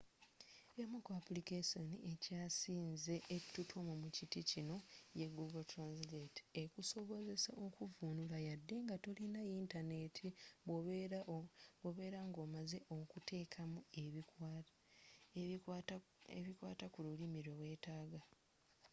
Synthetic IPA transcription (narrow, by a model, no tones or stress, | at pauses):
jamukoapulikesoniʔe̞caːsiːnze̞ʔːtːutʰomumuciticino̞je̞ɡuɡoltɾansileti̥ekuso̞βo̞ze̞saʔo̞kuvunulajadːe̞ŋɡato̞linajintane̞tʰio | oβe̞ːɾaŋɡo̞ːmaze̞ʔo̞kutʰe̞ːkʰamue̞ | eβikwaːtakululimiɾwewe̞ːtaːɡa